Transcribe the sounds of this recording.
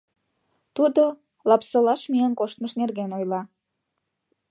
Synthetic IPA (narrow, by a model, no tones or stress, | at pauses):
t̪ud̪o | lɑpsə̆lɑʃmiənkoʃt̪məʃnerɣenojlɑ